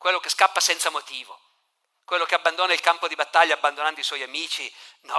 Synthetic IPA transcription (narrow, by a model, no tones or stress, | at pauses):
kwelːokeskapːasɛnt̪samot̪iːvo̰ | kwelːokeabːand̪oːnailkampod̪ibat̪ːaʎːaːbːand̪onand̪oiswɔjamiːt͡ʃinɔ